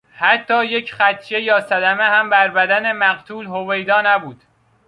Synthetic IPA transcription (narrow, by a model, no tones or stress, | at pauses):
hæt̪ʰːɒːjecʰχæt̪ʰt͡ʃe̞jɒːsæd̪æmehæmbæɾbæd̪æne̞mæɣt̪ʰuːlhovejd̪ɒːnæbuːd̪̥